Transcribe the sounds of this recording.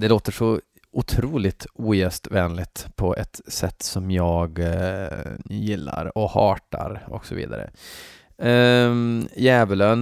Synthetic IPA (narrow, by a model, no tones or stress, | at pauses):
d̪ɛloːt̪əʂɔ | ʊt̪ʰɾuːlɪt̪uːjɛːst̪vɛːnlɪt̪pʰɔʔɛt̪sɛt̪ːsɔmjɑːɡ | jɪlːa̰ɾɔhɑːʈa̰ɾɔksɔvḭːd̪aɾə̰ | jɛːvəløːn